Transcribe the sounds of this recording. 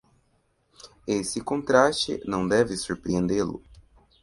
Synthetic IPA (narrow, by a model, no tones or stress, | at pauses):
esɪkõnt̪ɾast͡ʃɪ̰nɐ̃w̃d̪ɛvɪsuɾpɾiẽnd̪elʊ̰